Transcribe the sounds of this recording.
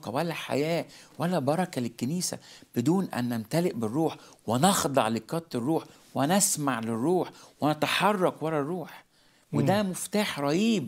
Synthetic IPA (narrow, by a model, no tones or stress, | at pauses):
qɑwælːæħa̰jæːwælːæbɑɾˤɑkælɪkːeniːsæ̰b̥ɪd̪uːnʔæ̰nːæmt̪ælɪʔbɪrːuːħwɪnɑxd̪ˤɑʕlɪkːɑt̪ˤːerˤːuːħ | wɪnæsmaʕlɪrːuːħwɪnæt̪aħɑrˤːɑkwælːærˤːuːħ | wed̪æmʊft̪aːħɾˤɑʔiːb̚